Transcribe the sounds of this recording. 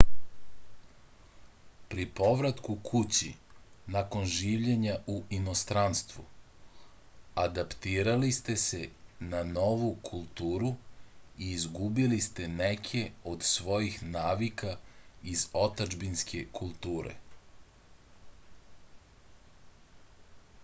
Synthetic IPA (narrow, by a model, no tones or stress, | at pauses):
pɾipo̞ʋɾat̪kukʰut͡ɕinako̞nʒiːʋʎe̞ɲaʔuʔino̞st̪ɾanst̪ʋu | ad̪apt̪iːɾalist̪e̞se̞nano̞ʋukʰulˠt̪uːɾuiːzɡubilist̪e̞nekʰe̞o̞d̪sʋo̞jixnaːʋikaizo̞t̪ad͡ʒbinskʰe̞kʰulˠt̪uːɾḛ